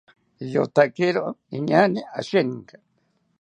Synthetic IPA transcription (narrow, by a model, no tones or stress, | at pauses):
ʎo̰t̪akɪɾoʔɪɲanɪa̰ʃeŋka